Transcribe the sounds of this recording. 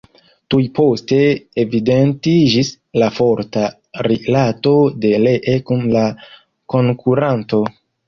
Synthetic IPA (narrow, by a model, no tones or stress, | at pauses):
tujpo̞ste̞ːvide̞ntid͡ʒis | lafo̞ɾta | ɾilato̞de̞leʔe̞kunla | ko̞ŋkuɾanto̞